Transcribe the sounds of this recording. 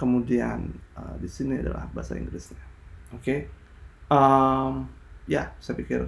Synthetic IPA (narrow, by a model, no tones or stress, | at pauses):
kəmudianədisiniada̰la̰hbaasa̰ḭŋɡlɪsɲaoke | ʔəmjasajapikɪr